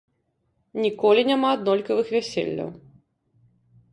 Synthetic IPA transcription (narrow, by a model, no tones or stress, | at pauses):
nʲikɔlʲinʲamaːd̪nɔlʲkɐvɨxvʲæsʲḛlʲːɐ̰w